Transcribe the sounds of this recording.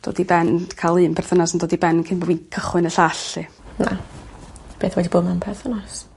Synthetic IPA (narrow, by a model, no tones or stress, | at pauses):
d̥o̰ːdibɛnkʰalˠɨːnpʰɛrθənasəndoːdibɛnnkʰɪnbɔbwinkʰəχwɨnəɬaɬɨ | na̰ | b̥eːθwɛdiboːmanpʰɛrθənas